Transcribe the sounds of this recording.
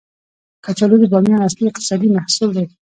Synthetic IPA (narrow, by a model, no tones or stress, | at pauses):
kat͡ʃalubizɑmjɑnasliɪqt̪ɪ̥sɑd̪imahsuld̪e